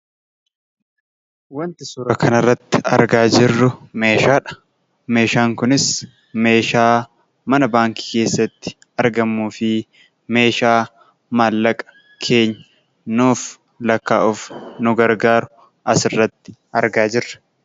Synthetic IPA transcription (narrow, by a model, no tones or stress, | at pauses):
wɐnt̪ɪsuːɾɐkʰɐnɐrːɐt̪ːɪ̥ɐ̰ɾɡaːd͡ʒɪrːʊme̞ːʃaːᶑɐ̥ | me̞ːʃaːŋkʊnɪs | me̞ːʃaː | mɐnɐbaːŋki̥ke̞ːsːɐt̪ːɪ̥ | ɐɾɡɐmːuːfɪ | me̞ːʃaː | malːɐkʼɐ̥ | kʰe̞ːɲːɐ̥ | nuːf | lɐkːa̰ːʔʊfnʊɡɐɾɡaːɾʊ | ʔɐsɪrːɐt̪ːɪ̥ɐɾɡaːd͡ʒɪrːɐ̥